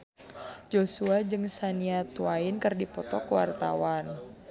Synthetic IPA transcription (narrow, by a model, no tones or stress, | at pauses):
d͡ʒosuad͡ʒɨŋsaniat̪uainkɨrdipɔt̪ɔkuwa̰rt̪a̰wan